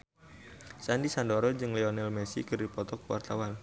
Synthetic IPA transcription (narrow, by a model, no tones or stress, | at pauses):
sandisandoɾɔd͡ʒɨŋlɛɔnɛlmɛsḭkɨrdipɔt̪ɔkwa̰rt̪awan